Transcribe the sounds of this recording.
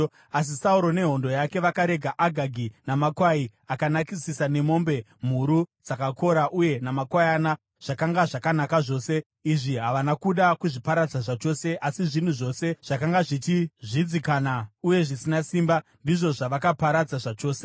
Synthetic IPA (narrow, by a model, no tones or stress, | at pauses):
as̬isauɾo̞ne̞ɦo̞ndo̞jake̞ʋakaɾe̞ɡʱaʔaɡʱaɡʱinamakwaiakanakisisane̞mo̞ːmbe̞ | m̤uɾud͡zakako̞ɾaʔuje̞namakwajana | ʐ̥akaŋɡaʐakanakaʐo̞ːse̞ | iʐiɦaʋanakuɗakuʐipaɾad͡zaʐat͡ʃo̞ːse̞ʔasiʐin̤uʐo̞se̞ʐ̥akaŋɡaʐitiʐid͡zikaːnauje̞ʐisinasiːmbandiʐo̞ʐaʋakapaɾad͡zaʐat͡ʃo̞ːse